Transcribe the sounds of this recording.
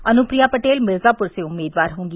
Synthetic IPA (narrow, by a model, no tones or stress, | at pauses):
ənʊpɾijaːpəʈeːlmɪɾzaːpʊɾseʊmːeːd̪ʋaːɾɦõːŋɡi